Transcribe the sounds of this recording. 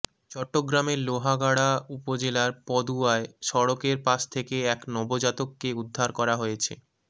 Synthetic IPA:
t͡ɕɔʈːoɡɾameɾloɦaɡaɽaupod͡ʑelaɾpɔd̪uaeʃɔɽokeɾpaʃt̪ʰekeɛknɔbod͡ʑat̪okːeud̪ʱːaɾkɔɾaɦojet͡ɕʰḛ

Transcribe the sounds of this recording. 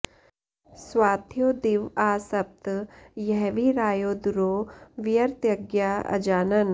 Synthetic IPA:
swaːt̪ʰjoːd̪ɪʋaːsɐp̚t̪jɛɦʋiɾaːjoːd̪ʊɾoːʋɪjəɾt̪jɐɡjaːɐ̰d͡ʒaːnɐn

